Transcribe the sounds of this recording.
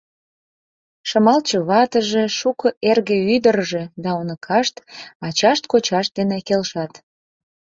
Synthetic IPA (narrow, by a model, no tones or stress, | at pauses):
ʃəmɑlt͡ɕəβɑt̪əʒeʃukəʔerɣeyd̪ərʒed̪ɑonəkʰɑʃt̪ɑt͡ɕɑʃt̪kot͡ɕɑʃd̪enekelʃɑt̪